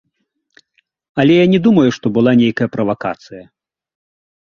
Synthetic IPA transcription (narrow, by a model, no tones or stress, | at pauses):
ɐlʲɛjanʲɛd̪umɐjuʂt̪ɔbɨlˠanʲejkɐjɐpɾɐvaka̰t̪sɨjɐ